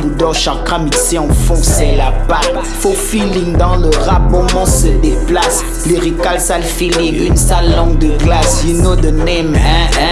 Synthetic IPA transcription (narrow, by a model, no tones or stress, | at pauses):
bud̪ɔʃãkamisẽɑ̃fɔ̃sɛlapa | fofilĩŋd̪ɑ̃ləʁapɔ̃mɑ̃səd̪eplas | leʁikalsalfiliynsalːɔ̃ɡ̚d̪əɡlasinod̪ənɛmɛ̃ɛ̃